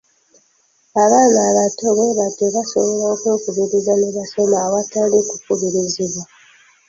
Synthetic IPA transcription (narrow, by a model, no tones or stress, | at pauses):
aβaːnaːβatoβe̞βateβasoβolaokweːkuβiɾizaneβasemawatalikukuβiɾiziβwa